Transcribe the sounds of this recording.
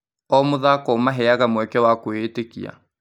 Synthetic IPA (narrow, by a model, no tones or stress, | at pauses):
ɔmoðaːkɔmaɦɛaɣamwɛkɛwakoeːtekḭa̰